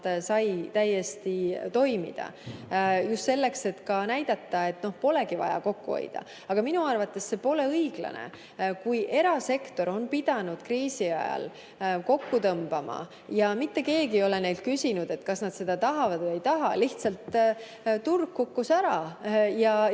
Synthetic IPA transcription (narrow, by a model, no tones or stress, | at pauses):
sɑjt̪æjːe̞st̪it̪o̞jmḭd̪̥ɑ̰ | just̪se̞lːe̞kse̞t̪kɑnæjd̪̥ɑt̪ːɑe̞t̪no̞hpo̞le̞ɡ̥ivɑ̰jɑ̰ko̞kːuo̰j̰d̪̥ɑ̰ | ɑɡ̥ɑminuɑrvɑt̪ːe̞sse̞po̞le̞ɤjɡ̥lɑ̰nḛ | kujʔe̞ɾɑse̞kt̪o̞ɾo̞npid̪̥ɑnud̪̥krɾiːsiɑ̰jɑ̰l | ko̞kːut̪ɤmb̥ɑmɑ̰ | jɑmit̪ːe̞ke̞ːɡio̞le̞ne̞jlt̪̚kysinud̪̥e̞t̪ːˑkɑsnɑd̪se̞d̪̥ɑt̪ɑɦɑvɑd̪̥ejt̪ɑɦɑliht̪sɑlt̪ | t̪urɡ̥kukːusæɾɑjɑ